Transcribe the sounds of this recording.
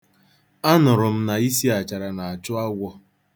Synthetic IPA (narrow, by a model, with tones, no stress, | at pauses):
a˦nʊ˨ɾʊ˨m̩˦na˨i˦si˦a˨t͡ʃa˨ɾa˨na˨a˨t͡ʃʊ˦a˦ɡʷɔ˦